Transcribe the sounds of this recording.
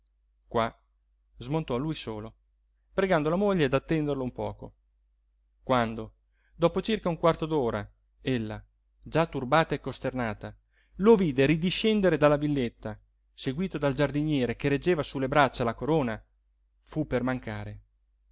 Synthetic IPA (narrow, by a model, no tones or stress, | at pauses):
kwa | zmont̪ɔalːujsoːlo | pɾeɡand̪olamoʎːead̪at̪ːɛnd̪erloumpɔːko̰ | kwand̪o | d̪ɔːpot͡ʃirkauŋkwart̪od̪oːɾa | elːa | d͡ʒat̪ːurbaːt̪aekːost̪ernaːt̪a | loviːd̪eɾid̪iʃːɛnd̪eɾed̪alːavilːet̪ːa | seɡwiːt̪od̪ald͡ʒard̪iɲjɛːɾekeɾed͡ʒːeːvasulːebɾat͡ʃːalakoɾoːna | fupːermaŋkaːɾe